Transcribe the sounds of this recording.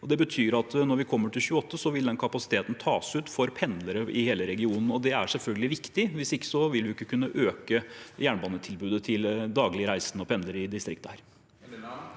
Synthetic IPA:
ɔd̪ɛbət̪ʰyːɾɑt̪nɔɾʋɪkʰɔmːəʈʰɪlçʉːəɔt̪ʰːəsɔʋɪld̪ɛnkʰɑpɑsɪ̥t̪ʰeːt̪n̩t̪ʰɑːsʉːt̪fɔɾpʰɛnd̪ləɾəʔɪheːləɾɛɡɪuːnn̩ɔd̪ɛæʂɛlfœlɡəlɪʋɪkt̪ɪʋɪsɪkːə̥sɔʋɪlʋɪɪkːəkʰʉnːəʔøːkəjæːɳbɑːnət̪ʰɪlbʉːd̪ət̪ʰɪld̪ɑːɡlɪəɾæɪsnəɔpʰɛnləɾɪd̪ɪst̪ɾɪkt̪əhæːɾ

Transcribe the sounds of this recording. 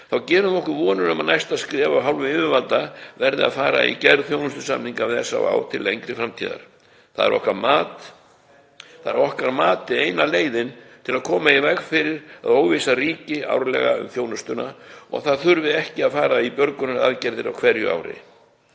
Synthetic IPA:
θawcɛːɾʏmɔhkʏɾvɔːnʏɾʏmanajst̪aðskɾɛːvawɦawlvʏɪmɪvalt̪avɛɾðɪ̰a̰ðfaːɾa̰ḭcɛɾðθjownʏst̪ʏ̥sa̰mniŋkavɪðɛsːa̰wa̰ːwt̪ʰɪlejŋkɾɪfɾamt̪ʰiːða̰ɾ̥ | θa̰ðɛ̰ɾʔɔ̰hkaɾmaːt̪ | θaðɛɾɔhkaɾmaːt̪ɪeːjnaleːjðɪnt̪ʰɪlaðkʰɔːmaivɛkfɪɾɪɾaðoːwvisariːcɪa̰wɾlɛ̰ɣa̰ʏ̰mθjoːwnʏst̪ʏnaɔ̰ɣθaðθʏɾvɪɛhcɪaðfaːɾaipjœɾkʏnʏɾa̰ðcɛɾðɪɾa̰wkʰv̥ɛɾjʏ̰ʔa̰ːwɾɪ̰

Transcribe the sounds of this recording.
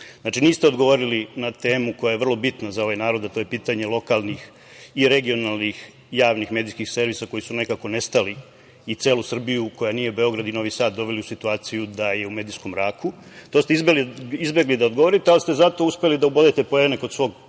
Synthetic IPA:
znat͡ʃiniːst̪eod̪ɡoʋo̞ɾilinat̪e̞ːmuko̞jaje̞ʋr̩lˠo̞bit̪nazao̞ʋajnaːɾo̞d̪at̪o̞jepiːt̪aɲe̞lˠo̞kalˠnix | iɾe̞ɡio̞nalnix | jaːʋnixme̞ːd̪ijskixse̞ɾʋiːsako̞jisune̞kako̞nest̪ali | it̪se̞ːlusr̩bijuko̞janije̞ube̞o̞ɡɾad̪ino̞ʋiːsaːt̪̚d̪o̞ʋe̞liusit̪uaːt̪sijud̪aje̞ume̞ːd̪isko̞mɾaːku | t̪ost̪eizbeliizbe̞ɡlid̪aod̪ɡoʋo̞ɾit̪ealist̪e̞zat̪o̞uspe̞lid̪aubod̪et̪e̞pojenekosʋo̞ːɡ

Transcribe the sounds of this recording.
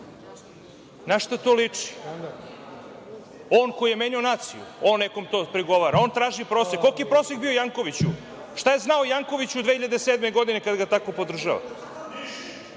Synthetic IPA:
naʃt̪at̪oːlit͡ʂi̥ | oːnkoijemeɲuonaːt̪sḭjṵoːnːekomt̪oːpɾiɡo̞ʋaːɾao̞ːnt̪ɾaːʒipɾosekːokijpɾoːsekbiojaŋko̞ʋit͡ɕu | ʃt̪ajeznaojaŋko̞ʋit͡ɕud̪ʋehiʎad̪esed̪meɡo̞d̪ine̞kad̪ɡat̪ako̞po̞d̪r̩ʒaʋa̰

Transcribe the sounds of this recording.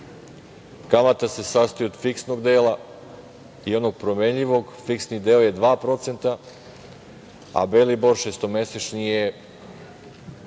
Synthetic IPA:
kamat̪ase̞sast̪ojuod̪fiksnoɡd̪eːlˠa | io̞d̪noɡ̚pɾome̞ɲʎiʋo̞ɡfiksnid̪eːoje̞d̪ʋaːpɾo̞t̪se̞nt̪a | a̰beliboɾʃest̪o̞me̞set͡ʃnije

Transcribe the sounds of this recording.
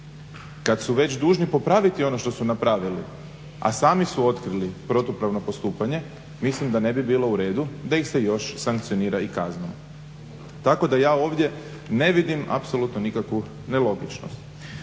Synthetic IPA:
kad̪suʋe̞t͡ɕd̪uːʒnipo̞pɾaʋit̪io̞no̞ʃt̪o̞sunapɾaːʋili | a̰saːmisuo̞t̪kɾilipɾo̞t̪upɾaʋno̞po̞st̪uːpaɲe̞ | mislimd̪ane̞bibiːlo̞uɾe̞ːd̪ud̪aixse̞jo̞ʃsaŋk̚t̪sioniːɾaikaznom | t̪ːako̞d̪ajaːo̞ːʋd̪je̞ | ne̞ʋid̪ima̰pso̞lut̪nonikakʋu | nelo̞ɡit͡ʃno̰st̪

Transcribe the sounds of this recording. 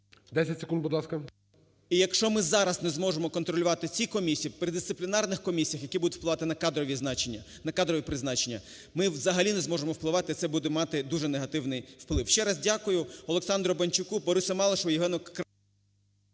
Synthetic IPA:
d̪ɛsʲɐtʲsɪ̥kund̪bʊd̪lˠɑskɐ | ijɐkʃt͡ʃɔmɪzɑɾɐsnɛzmɔʒemɔkɔnt̪ɾɔlʲʊʋɑt̪ɪt͡sʲikɔmʲisʲijipɾɪd̪ɪst̪ɪplʲɪnɑrnɪxkɔmʲisʲijɐxjɐkʲibud̪ʊtʲwplˠɪʋɑt̪ɪnɐkɑd̪ɾɔʋʲiznɑt͡ʃenʲːɐ | nɐkɑd̪ɾɔʋʲipɾɪznɑt͡ʃenʲːɐ | mɪʋzɐɦɐlʲinɛzmɔʒemɔwplˠɪʋɑt̪ɪt̪sɛbud̪ɛmɑt̪ɪd̪uʒɛneɦɐt̪ɪwnɪjwplˠɪwʃt͡ʃɛɾɑzdʲɑkʊjʊɔlˠeksɑnd̪ɾɔbɐnʲt͡ʃʊkubɔɾusʲɐmɑlˠɐʃʋɔjɪɦɛnɔk

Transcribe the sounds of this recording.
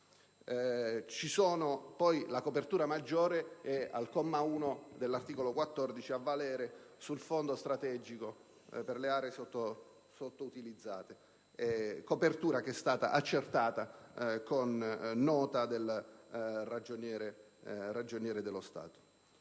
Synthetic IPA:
t͡ʃisoːnopɔjlakopert̪uːɾamad͡ʒːoːɾeɛa̰lkɔmːauːnod̪elːart̪iːkolokwat̪ːɔrd̪it͡ʃiavːalɛːɾesulfond̪ost̪ɾat̪ɛd͡ʒiko | perleaːɾeːsot̪ːo | sot̪ːout̪ilid̪zːaːt̪e | ɛkopert̪uːɾakɛst̪aːt̪a̰ʔat͡ʃːert̪aːt̪akonːɔːt̪ad̪el | rad͡ʒonjɛːɾerad͡ʒonjɛːɾed̪elost̪a̰ːt̪o̥

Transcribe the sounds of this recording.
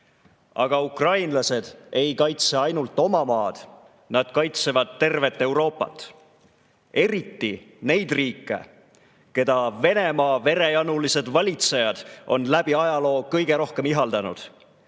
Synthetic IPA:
ɑɡ̥ɑukrɑjnlɑse̞d̪̥e̞jkɑjt̪seɑjnult̪ːˑo̞mɑmɑːd̪̥ | nɑd̪̥kɑjt̪se̞vɑd̪̥̚t̪ːe̞rve̞t̪ːˑe̞wɾo̞ːpːɑ̰t̪ːˑ | e̞ɾit̪ːi | ne̞jd̪̥riːkːˑe̞̰ | ke̞d̪ɑve̞ne̞mɑːve̞ɾe̞jɑnulise̞d̪vɑlʲit̪se̞jɑd̪̥o̞̰nlæb̥iɑjɑlo̞ːkɤjɡ̥e̞ɾo̞hke̞miɦɑld̪ɑnṵd̪̥

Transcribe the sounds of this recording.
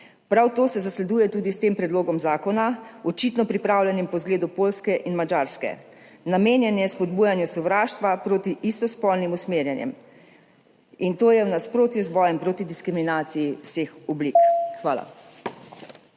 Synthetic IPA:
pɾawt̪oːsɛzaslɛd̪uːjɛt̪uːd̪ist̪eːmpɾɛd̪loːɡɔmzaːkɔnaɔt͡ʃit̪nɔpɾipɾaːwlʲjɛnimpɔzɡleːd̪upoːlskɛʔinmad͡ʒaːɾskɛ̰ | nameːnjɛnjɛspɔd̪̚buːjanjusɔʋɾaːʃt̪ʋapɾoːt̪iʔist̪ɔspɔlnimusmeːɾjɛnjɛ̰m | int̪oːjɛwnaspɾoːt̪juzbɔːjɛmpɾoːt̪id̪iskɾiminaːt̪sijiwsexɔblikxʋaːla̰

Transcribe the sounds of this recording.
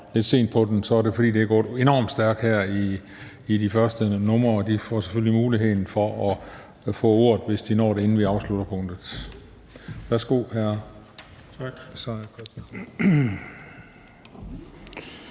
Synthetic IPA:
le̝d̥se̝̰ːnd̥̚pʰɒ̽d̥ensɒæɐde̝fɒ̽d̥ḭːd̥e̝æɡ̥ɒ̰ːe̝nɒ̰ːmd̥sd̥æɐɡ̥hæɐiː | difɶɐsd̥ənɔ̽mɐd̥ifɒse̥føllimuːliɦe̝ð̰ˠn̩fɒ̽ʔɒ | fɔ̰̽ːo̝ːɐ̰ðˠʋe̝sd̥inɒ̰ːɾee̝n̩ʋiɑ̈ʊslud̥ɐpʰɔ̽ŋ̰d̥ð̩ˠ | ʋæɐsɡ̥o̝̰ːhæɐ

